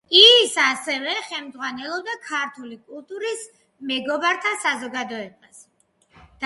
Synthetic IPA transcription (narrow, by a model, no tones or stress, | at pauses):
isasɛvɛχɛlmd̪zʁwanɛlˠɔbd̪akʰaɾt̪ʰulikʼulˠt̪ʼuɾis | mɛɡɔbaɾt̪ʰasazɔɡad̪ɔɛbas | d̪̥